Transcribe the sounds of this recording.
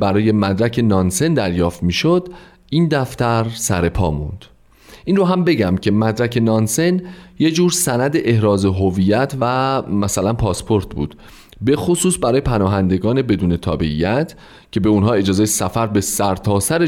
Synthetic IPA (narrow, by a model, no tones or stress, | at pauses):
bæɾɒːje̞mæd̪ɾæcʰe̞nɒːnse̞nd̪æɾjɒːft̪miːʃod̪̥ | ʔiːnd̪æft̪æɾsæɾe̞pʰɒ̰ːmṵnd̪̥ | ʔiːnroɦæmbe̞ɟæmcʰe̞mæd̪ɾækʰe̞nɒːnse̞nje̞d͡ʒuːɾsænæd̪eʔehɾɒːze̞ɦoviːjæt̪ʰvæmæsælænpʰɒːspʰo̞ɾt̪ʰbṵːd̪̥ | be̞xosuːsbæɾɒːjepʰænɒːɦænd̪e̞ɡɒːne̞be̞d̪uːne̞t̪ʰɒ̰ːbe̞ḭjæt̪ʰ | cʰe̞be̞unɦɒːe̞d͡ʒɒːzejesæfæɾbe̞sæɾt̪ʰɒːsæɾe